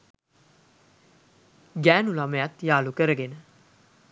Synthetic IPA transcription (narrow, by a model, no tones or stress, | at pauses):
ɡæːnulaməjat̪jaːlukəɾəɡenə